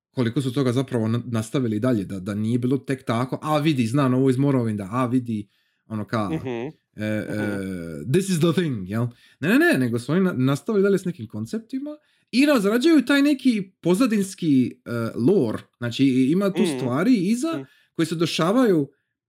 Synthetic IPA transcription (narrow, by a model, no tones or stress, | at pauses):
ko̞liko̞sut̪o̞ɡazapɾaʋo̞nnast̪aʋilid̪aʎe̞d̪ad̪anije̞biːlˠo̞t̪e̞kt̪ako̞ʔaʋid̪iznaːmnoʋoizmoɾoʋind̪aʔaʋid̪i | o̞noka | əəd̪isizd̪əθĩŋɡjelˠ | nenenene̞ɡo̞suo̞nianast̪aʋilid̪aʎe̞sne̞kimko̞nt̪sep̚t̪ima | iɾazɾad͡ʒajut̪aːjne̞kipo̞zad̪inskiəlˠoːɾz̥naːt͡ʃiimat̪uːst̪ʋaːɾiiza | ko̞jesed̪eʃaːʋaju